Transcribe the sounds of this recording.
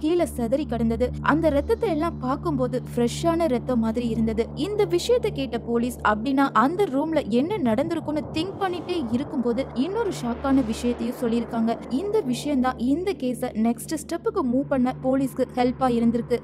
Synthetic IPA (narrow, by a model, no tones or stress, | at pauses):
kiːlɐsɐðɐɾikːɐɽɐnd̪ɐðɯʔɐnd̪ɐɾɛt̪ːɐt̪ːɐɛlːãːpaːɾkɯmpoːðɯfɾɛʂaːnɐɾɛt̪ːɐmːaːðɪɾiɪɾɯnd̪ɐðɯɪnd̪ɐʋɪʂɐjɐt̪ːɐkeːʈːɐpoːliːsɐpːɐɽinːaːʔɐnd̪ɐɾuːmlɐʔɛnːɐnɐɽɐnd̪ɯɾɯkːɯnːɯt̪ɪŋk̚pɐɳːɪʈːeːɪɾɯkːɯmpoːðɯɪnːoːɾɯʂaːkːaːnɐʋɪʂɐjɐt̪ːɐjʊ̃sɔlːɪɪɾɯkːaːŋɡɐɪnd̪ɐʋɪʂɐjɐnt̪ãːɪnd̪ɐkeːsɐnɛksʈɯsʈɐpːɯkːɯmuːpɐɳːɐpoːliskɯhɛlpaːjɪɾɯnd̪ɪɾɯkːɯ